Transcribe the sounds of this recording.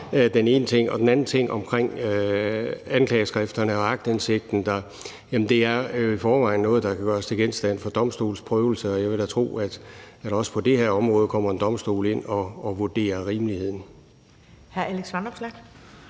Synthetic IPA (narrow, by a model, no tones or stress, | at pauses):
d̥ene̝ːnət͡sʰe̝ŋ̰ɒ̽d̥enænn̩t͡sʰe̝ŋ̰ɒ̽mkʰʁeŋ̰ø | ænkʰlɛːɪəsɡ̥ʁafd̥ɐnəɒ̽ɑ̈ɡ̥d̥ense̝ɡ̥̚d̥n̩d̥ɑ̈ | jæmn̩d̥e̝æɐjoifɒːʋɑ̈ɪnːɔ̽ːð̩ˠd̥ɑ̈kʰæɡ̥ɶːɐst͡sʰe̝ɡ̥ensd̥æn̰fɒ̽d̥ɒ̽msd̥o̝̰ːl̩spʰʁœːʊl̩səɒ̽jɑ̈ɪʋed̥æt͡sʰʁo̝̰ːæd̥æd̥ɒ̽sə̥pʰɒ̽d̥e̝heɐ̰ɒ̽mʁɔ̽ːð̞̩ˠkʰɒ̽m̰ɐe̝nd̥ɒ̽msd̥o̝̰ːle̝n̰ɒ̽ːʋuɐd̥e̝̰ːɐʁiːməlihe̝ð̰ˠn̩ | hæɐæleɡ̥sʋɑnɒb̥slæɡ̥